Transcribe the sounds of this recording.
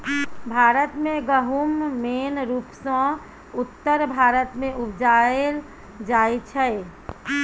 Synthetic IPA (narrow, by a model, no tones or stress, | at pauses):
bʱaɾət̪mẽɡəɦumːenɾupsə̃ | ut̪ːəɾbʱaɾət̪mẽupd͡ʒael | d͡ʒaet͡ʃʰɛj